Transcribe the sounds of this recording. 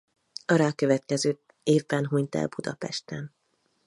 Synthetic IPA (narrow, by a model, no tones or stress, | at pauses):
ɒɾaːkøvɛt̪kɛzøː | eːvbɛnɦuɲt̪ɛ̰lbud̪ɒpɛ̰ʃt̪ɛn